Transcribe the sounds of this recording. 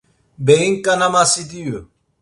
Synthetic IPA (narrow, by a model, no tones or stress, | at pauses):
beɣiŋkanamasid̪iju